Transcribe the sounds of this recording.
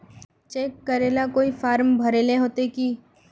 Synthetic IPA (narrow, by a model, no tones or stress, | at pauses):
t͡ʃeːkːəɾeːlakoːifaːɾmbʱɐɾeːleɦoːt̪ekiː